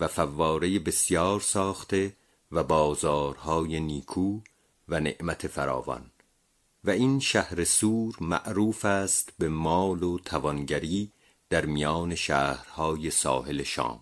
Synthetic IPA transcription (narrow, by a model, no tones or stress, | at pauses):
væfævːɒːɾe̞jebe̞sjɒːɾsɒːχt̪e̞ | væbɒːzɒːɾhɒːjeniːkʰuː | væne̞̰ʔmæt̪ʰe̞fæɾɒ̰ːvɒ̰n | væinʃæhɾe̞suːɾmæ̰ʔɾuːfæːst̪bemɒːlot̪ʰævɒnɟæɾiː | d̪̥æɾmijɒːne̞ʃæːhɾhɒːjesɒ̰ːhe̞leʃɒ̰ːm